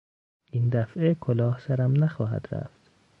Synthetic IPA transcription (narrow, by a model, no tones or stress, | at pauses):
ʔind̪æfʔekʰolɒːhsæɾæmnæxɒːɦæ̰d̪ɾæ̰ft̪